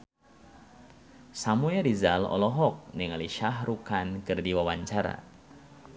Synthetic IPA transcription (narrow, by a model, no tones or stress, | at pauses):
samuɛɾizalɔ̰lɔɦɔk̚niŋaliʃahɾukankɨrdiwawaɲt͡ʃaɾa̰